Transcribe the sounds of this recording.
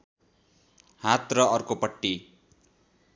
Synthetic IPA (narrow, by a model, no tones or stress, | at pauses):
hat̪rʌʌrkopʌʈːi